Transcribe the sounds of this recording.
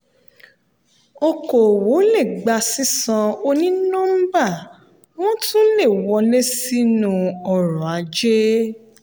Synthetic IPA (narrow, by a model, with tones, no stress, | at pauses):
o˧ko˨wo˨˦le˦˨ɡ͡ba˧si˦sã˧o˧nĩ˦nɔ̃˦m̩˦ba˦˨ | w̃ɔ̃˦tũ˦le˦˨wɔ˧le˦si˦nũ˨ɔ˨ɾɔ˨a˨˦d͡ʒe˦